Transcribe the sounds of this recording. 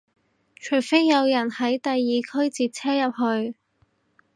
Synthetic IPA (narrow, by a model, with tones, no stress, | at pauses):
t͡ʃʰɵ˨˩ɥfe˥jːɐ˨˧wjɐ˨˩nhɐ˨˥jt̪ɐ˨jːiː˨kʰɵ˥ɥt͡siː˨t̚t͡sʰɛː˥jɐ˨p̚hɵ˧ɥ